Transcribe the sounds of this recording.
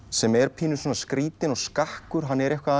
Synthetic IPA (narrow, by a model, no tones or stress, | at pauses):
sɛmɛɾpʰiːnʏ̥soːnaskɾiːt̪ɪnɔɣskahkʏɾ̥ɦanːɛɾɛhkva